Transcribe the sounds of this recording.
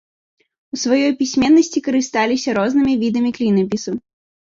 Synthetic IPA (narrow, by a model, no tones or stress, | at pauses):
usvɐjɔjpʲisʲmʲɛnːɐsʲt͡sʲikɐɾɨst̪alʲisʲɐɾɔznɨmʲivʲid̪ɐmʲiklʲinɐpʲisu